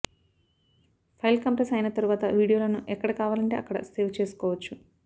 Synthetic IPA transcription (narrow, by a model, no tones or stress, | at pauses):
pʰɐjlkɐmpɾesɐjnɐt̪ɐɾuʋaːt̪ɐʋiːɽijoːlɐnuʔɛkːɐɽɐkaːʋaːlɐɳʈe̞ːʔɐkːɐɽɐ̰seːʋt͡ʃe̞ːsu̥kɔːʋɐt͡ʃːu